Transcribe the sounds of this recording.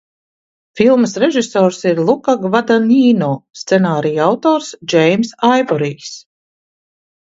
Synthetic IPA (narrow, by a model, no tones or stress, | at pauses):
filˠməsɾɛʒisɔːɾsiɾlˠukaɡvad̪aniːnɔːst̪sɛnaːɾijawt̪ɔːɾsd͡ʒejmsajbɔɾiːs